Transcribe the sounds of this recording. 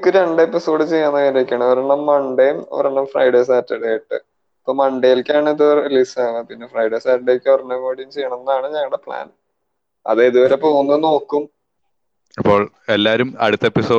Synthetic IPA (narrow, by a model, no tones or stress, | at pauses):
kːɨɾe̞ɳɖe̞pːiso̞ːɖɨt͡ɕejːɐnːɐilɐkʲːɐɳɐʋɐɾeɳɐmːɐɳɖejumɐ̰ʋɐɾeɳɐmfrɐ̰jɽeːsaːtːɐɽejiʈːɨ̰ | ɐpːoːmɐɳɖejilkʲːaːɳiðɨelisaːʋɐpinːefrɐjɽeːsaːtɐɽekʲːɐɐrɐnːɐmoːɽijumt͡ɕejːɐɳɐnːɐðaːɳɨɲɐŋːɐɽepɭa̰ːn | ɐ̰ðeiðuʋɐɾepoːɣunːuno̞ːkːum | ɐpːo̞ːɭ | elːaːɾumɐ̰ɽut̪ːɐepːiso̞ː